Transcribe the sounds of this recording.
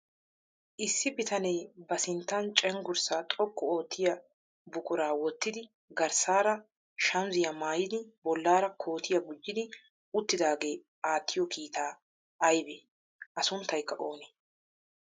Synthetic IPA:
ʔɪsːɪbɪt̪ɐnejbɐsɪnt̪ːɐnt͡ʃʼɛŋɡʊɾsat̪ʼɔkːɔoːt̪ʰːɪjɐ | bʊkʼʊɾaːwɔt̪ːɪd̪ɪ | ɡɐɾsaːɾɐ | ʃɐmzɪjɐmaːjɪd̪ɪbɔlːaːɾɐkʰo̞ːt̪ʰɪjɐɡʊd͡ʒːɪd̪ɪ | ʊt̪ːɪd̪aːɡe̞ː | aːt̪ʰːɪjɔkiːt̪ʰaː | ɐjbeː | ʔɐsʊnt̪ːɐjkːɐʔo̞ːne

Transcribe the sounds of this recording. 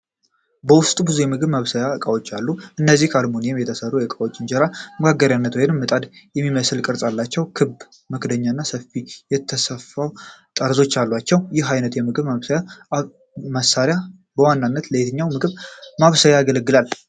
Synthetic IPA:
bəwʊst̪ʼubɨzujɛmɨɡɨβmaβsəjaɨkʼawot͡ʃːalːuʔɨnːəzːihkʰalmonijɛmjɛt̪ʰəsərːujɛkʼawot͡ʃʼːɪnd͡ʒɛɾaməɡaɡːəɾjanːət̪wajnɨmːɨt̪ʼad̪jɛmːiməsɨlkʼɨɾsʼalːat͡ʃːɛwkʰɨb | məkd̪əɲːaɨnːasəfijɛt̪ʰːəsəfawt̪ʼəɾzo̞t͡ʃːalːwat͡ʃːɛwjɪhajnət̪jɛmɨɡɨβməβsəja | məsːaɾja | bəwanːanːət̪ləjet̪ʰɨɲːawmɨɡɨβmaβsəjaːɡələɡːɨlal

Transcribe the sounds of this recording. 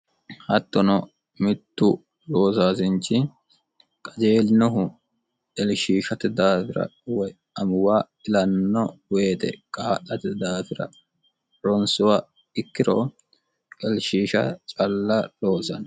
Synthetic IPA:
hɐt̪ːɔnɔ | mɪt̪ːʊ | ɾoːsaːsɪnt͡ʃːɪ | kʼɐd͡ʒe̞ːlnɔɦʊ | ɛlʃiːʃɐt̪ɪd̪aːfɪɾɐ̰wj | ɐmʊwaː | ɪlɐnːɔwe̞ːt̪ɛ̰kʼaːʔɐt̪ɪd̪aːfɪɾɐ̰ | ɾɔnsʊwaː | ɪkːɪɾoː | kʼɛlʃiːʃɐ̰t͡ʃʼɐlːɐɾoːsɐn

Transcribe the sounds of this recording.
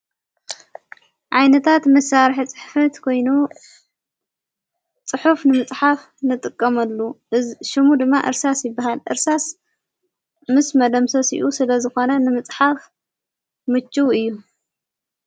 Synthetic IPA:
ʕajnɐt̪ʰat̪mɐsːaɾħt͡sʼɨħfɐt̪kʰo̞jnu | t͡sʼɨħufnɨmɨt͡sʼħaf | nɨt̪ʼɨkʼːɐmɐlːu | ʃɨmud̪ɨmːaʔɨɾsasjɪbːaɦalʔɨ̰ɾsas | mɨsmɐd̪ɐmsosḭʔusɨlɐzɨxo̞nɐnɨmɨt͡sʼħaf | mɨt͡ʃʰʼːuɨjːu

